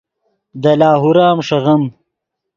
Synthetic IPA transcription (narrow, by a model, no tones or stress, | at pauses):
d̪ɐlaːɦuɾaːmʂɐɣɐm